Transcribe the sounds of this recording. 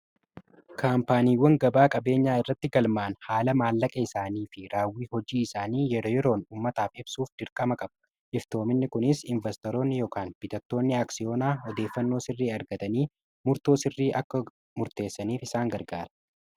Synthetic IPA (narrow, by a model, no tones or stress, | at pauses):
kʰaːmpaːniːwːɐŋɡɐbaːkʼɐbe̞ːɲːaːɪrːɐt̪ːɪɡɐlmaːnhaːlɐmaːlːɐkʼɐɪsaːniːfɪɾaːwːiːhɔd͡ʒiːɪsaːniːjɛɾoːjɛɾo̞ːnuːmːɐt̪aːfɪbsuːfd̪ɪɾkʼɐmɐkʼɐbɐ | ʔɪft̪o̞ːmɪnːɪkʊnɪsɪnvɛst̪ɔɾo̞ːnːɪjɔːkaːnb̥ɪt̪ɐt̪ːo̞ːnːɪaːksɪjo̞ːnaːɔd̪e̞ːfːɐnːo̞ːsɪrːiːɐɾɡɐt̪ɐniː | mʊɾt̪oːsɪrːiːʔɐkːɐ | mʊɾt̪e̞ːsːɐniːfɪsaːŋɡɐɾɡaːɾɐ̥